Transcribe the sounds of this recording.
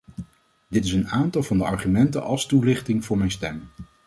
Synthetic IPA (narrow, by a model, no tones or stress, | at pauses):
dɪtɪsənaːntɑlˠvɑndəɑɹχymɛntə̰nɑ̰lˠstulɪχtɪŋvʊːɹmɛjnstɛm